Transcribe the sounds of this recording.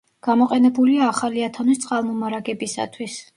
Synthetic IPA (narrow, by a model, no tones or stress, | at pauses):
ɡ̥amɔqʼɛnɛbuliaːχaliat̪ʰanist̪sʼalˠmɔmaɾaɡɛbisa̰t̪ʰwis